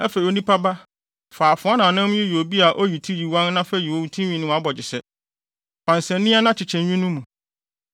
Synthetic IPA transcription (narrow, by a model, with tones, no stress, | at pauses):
ɛ˦fe˨i˨o˦nĩ˦pʰa˦ba˦ | faː˨fʊ̃˨˦a˦nã˨nã˦m˦ɪ̃˦ji˨o˨bi˦a˨ʔo˦ji˨tʰi˦ji˨wã˦nnã˦fɛ˦˨ji˨wo˦˨wu˦tʰĩ˦ɥĩ˨nʊ̃˦a˦bɔ˨d͡ʑɪ˨sɛ˦ | pʰã˨nsɛ̃˨nĩ˦a˦nã˦t͡ɕʰɪ˨t͡ɕʰɛ̃˨ɲᶣũ˦nũ˦mũ˨